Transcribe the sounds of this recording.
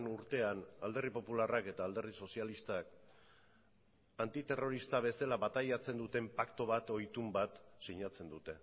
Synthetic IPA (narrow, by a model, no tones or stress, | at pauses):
nuɾt̪e̞anald̪e̞ripo̞pularake̞t̪aːld̪e̞rðiso̞sialist̪ak | ant̪it̪e̞ro̞ɾist̪aβe̞selaβat̪ajat͡se̞nd̪ut̪e̞mpakt̪o̞β̞at̪o̞jt̪umbat̪siɲat͡se̞nd̪ut̪e̞